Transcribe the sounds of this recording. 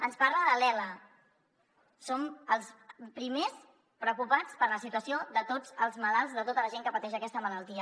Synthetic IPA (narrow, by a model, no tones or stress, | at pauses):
ənspaɾləðəlɛlə | soməlˠspɾimes | pɾəwkupat͡spəɾləsit̪uəsioðət̪od͡zəlˠzməlalˠzðət̪ot̪ələʒeŋkəpət̪ɛʃ̬əkɛst̪əmələlˠt̪iə